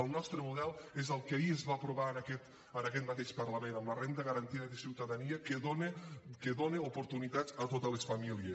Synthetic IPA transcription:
əlˠnɔst̪ɾəmuðɛlˠezəlˠkaiezβapɾuβanakɛt̪ | ənakɛt̪mat̪eʃpəɾlamenəmlərend̪əɣɐɾant̪iðəðəsiwt̪aðaniəkeðonekeðoneupuɾt̪unit̪at͡sat̪ot̪əlesfamilies

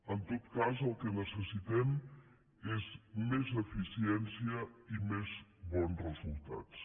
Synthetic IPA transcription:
ənt̪ot̪kazəlˠkənəsəsit̪ɛm | ezmezəfisiɛnsiəimezβɔnsrəzulˠt̪a̰t̪t͡s

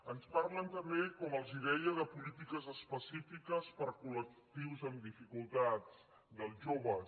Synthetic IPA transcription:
ənspaɾlənt̪əmbekɔməlˠziðɛjəðəpulit̪ikəzəspəsifikəspəɾkulək̚t̪iwzəmd̪ifikulˠt̪ad͡zt͡s | d̪əlˠʒoβ̞ə

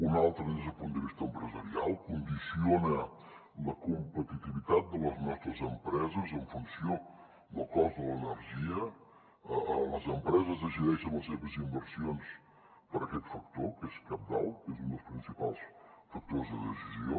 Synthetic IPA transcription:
unalˠt̪ɾɐezɐpond̪iβiʃt̪empɾəzɐɾia̰lˠkund̪isionɐ | lɐkumpət̪it̪iβit̪at̪̚d̪əlɐznɔst̪ɾɐzəmpɾɛzɐzə̃ɱfunsjo | d̪əlˠkɔzd̪əlˠənəɾʒiɐ | lɐzəmpɾɛzɐzɐʒiɾɛʃɐ̃ñɐseβɐzimbəɾsjons | pəɾɐkɛt̪fɐk̚t̪oɾkeskap̚d̪a̰lˠkezũnd̪əspɾĩnsipalˠs | fɐk̚t̪oɾzðəðəsizio̰

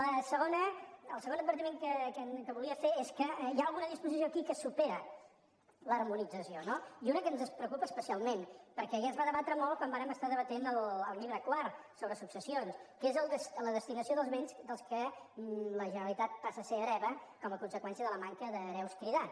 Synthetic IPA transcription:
ləsəɣonəːlˠsəɣond̪̚bəɾt̪imeŋkəkəkəβuliəfeeskəjaəlˠɣunəðispuzis̬ioəkikəsupeɾə | lərmunid͡zəsionoiunəkənzəspɾəukupəːspəsialˠmenpəɾkɛɣɛzβaðəβat̪ɾəmolˠkwambaɾəməst̪aðəβət̪enəlˠəlˠʎiβɾəkwar | soβɾəsuksəsionskezəlˠd̪əsləðəst̪inəsioðəlˠzβensd̪əlˠskə | ləʒənəlit̪at̪̚pasəseəɾɛβəkɔməkunsəkwɛnsiəðələmaŋkəðəɾɛwskɾiða

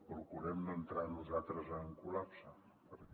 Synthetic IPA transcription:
pɾukuɾɛmnənt̪ɾanuzat̪ɾəzəŋkulapsə | pəɾk

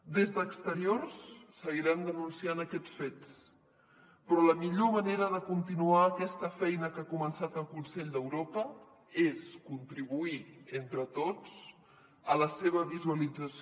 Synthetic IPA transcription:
d̪ezðəːkst̪əɾiorsːəɣiɾand̪ənunsianəkɛt͡sfet͡s | pɾɔləmiʎoməneɾəðəkunt̪inuaːkɛst̪əfɛjnəkakumənsat̪əlˠkunsɛʎd̪əwɾopə | eskunt̪ɾiβuient̪ɾət̪ot͡s | ələseβ̞əβizuəlid͡zəs

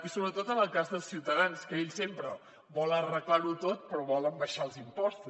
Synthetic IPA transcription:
isoβɾət̪ot̪ənəlˠkazðəlˠsiwt̪əðanskəeʎsempɾə | bɔlərəklaɾut̪ot̪̚pɾɔβɔləmbəʃaəlˠzimpɔst̪u

